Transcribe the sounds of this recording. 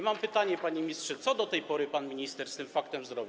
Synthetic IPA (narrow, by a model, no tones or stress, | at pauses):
mampɘt̪aɲɛpaɲemʲistʂɛt̪sɔd̪ɔt̪ɛjpɔɾɘpanmʲiɲist̪ɛɾst̪ɘmfakt̪ɛmzɾɔbʲi